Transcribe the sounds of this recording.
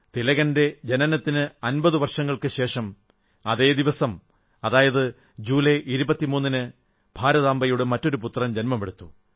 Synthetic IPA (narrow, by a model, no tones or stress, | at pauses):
t̪ilɐɣɐnde̞d͡ʑe̞nɐnɐt̪ːinɨɐnbɐðɨʋɐrʂɐŋːɐɭkɨɕe̞ːʂɐm | ɐðe̞ːd̪iʋɐsɐm | ɐðaːjɐðɨ | d͡ʑuːleʔiɾubɐt̪ːimuːnːinɨ | bʱaːɾɐðaːmbɐjoːɽɨmɐtːo̞ɾuput̪ːrɐmd͡ʑenmɐpeɽut̪ːu